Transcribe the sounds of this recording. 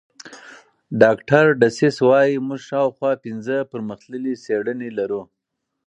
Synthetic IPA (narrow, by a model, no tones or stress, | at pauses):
ɖɑkʈaɾɖasɪswɑjimuʐʃɑwxwɑpɪnzəpəɾməxt̪ləliseɽənelaɾu